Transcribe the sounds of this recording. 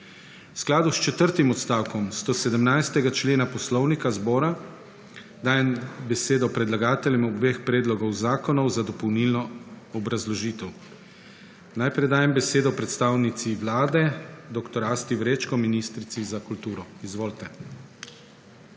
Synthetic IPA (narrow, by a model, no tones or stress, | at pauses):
wsklaːd̪ust͡ʃɛt̪əɾt̪imɔt̪st̪aːwkɔmst̪osɛd̪əmnajst̪ɛɡat͡ʃleːnapɔslɔwnikazbɔːɾa | d̪aːjɛmbɛseːd̪ɔpɾɛd̪laɡaːt̪ɛljɛmɔbbexpɾeːd̪lɔɡɔwzaːkɔnɔwzad̪ɔpɔwnilnɔ | ɔbɾazlɔʒiːt̪ɛw | najpɾɛjd̪aːjɛmbɛseːd̪ɔpɾɛt̪st̪aːwnit̪siʋlaːd̪ɛd̪ɔkt̪ɔɾast̪iwɾet͡ʃkɔminist̪ɾit̪sizakult̪uːɾɔizʋoːlt̪ɛ